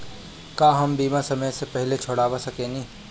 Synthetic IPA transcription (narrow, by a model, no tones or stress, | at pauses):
kaːɦɐmbiːmasɐməjsepɛɦlet͡ʃʰoːɽaːʋasɐkẽnĩː